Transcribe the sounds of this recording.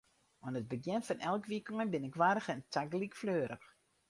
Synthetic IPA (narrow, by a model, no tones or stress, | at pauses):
ɔnət̚bəɡjɛnfɔnɛlˠkʋikɔŋənbɪnɪkʋaːɾəxɛntʰaɡlikfløːɾəx